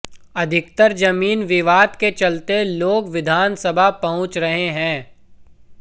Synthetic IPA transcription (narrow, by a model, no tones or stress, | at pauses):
ɐd̪ʱɪkt̪əɾd͡ʒɐmiːnʋɪʋaːd̪ket͡ʃɐlt̪eloːɡʋɪd̪ʱaːnsɐbʱapɐɦʊ̃t͡ʃɾɐɦeɦɛ̃ː